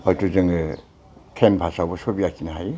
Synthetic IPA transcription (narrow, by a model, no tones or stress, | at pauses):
tuzɯŋ | tʰembʰʱasawbɔsobijakinaɦaj